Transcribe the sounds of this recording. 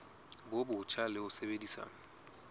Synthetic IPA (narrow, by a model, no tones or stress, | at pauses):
bobʊt͡ʃʰalɪʊsebedisa̰ːŋa